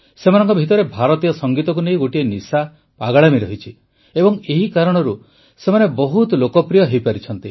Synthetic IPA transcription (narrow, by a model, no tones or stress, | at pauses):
semanɔŋkɔbʱit̪ɔɾebʱaɾɔt̪ijɔsɔŋɡit̪ɔk̬unejɡoʈienisa | paɡɔɭamiɾɔɦit͡ʃʰi | ebɔŋeɦikaɾɔɽ̃ɔɾu | semanebɔɦut̪lokɔpɾijɔɦejpaɾit͡ʃʰɔnt̪i